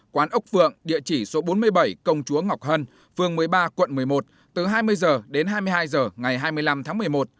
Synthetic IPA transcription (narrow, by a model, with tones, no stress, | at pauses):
kwaː˨˦nʔʊ˦˥k͡p̚vɨ̰˧˨əŋɗḭ˧˨ət͡ɕi˧˩so˨˦ɓo˨˦nmɨ˧əjɓa˧˩jkə˧wŋ͡mt͡ɕu˨˦əŋa˨˩wk͡p̚hə˧n | fɨ˧əŋmɨ˨˩əjɓaː˧kwə̰˧˨nmɨ˨˩əjmo˨˩t̚ | t̪ɨ˨˩ɦaː˧jmɨ˧əjzəː˨˩ɗe˨˦nɦaː˧jmɨ˧əjɦaː˧jzəː˨˩ŋa˨˩jɦaː˧jmɨ˧əjla˧mt̪ʰaː˨˦ŋmɨ˨˩əjmo˨˩t̚